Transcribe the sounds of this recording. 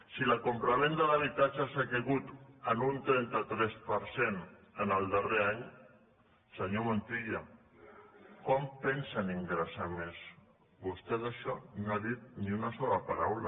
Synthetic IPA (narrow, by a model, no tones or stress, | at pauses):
silakompɾamend̪əlaβ̞it̪at͡ʃasakeɣut̪ənunt̪ɾɛnt̪at̪ɾɛspəɾsen | ənəlˠd̪əreaɲ | səɲomont̪iʎa | kɔmpɛnsaniŋɡɾəsames | bust̪ɛt̪aʃɔnaðit̪̚niunasɔlapaɾawla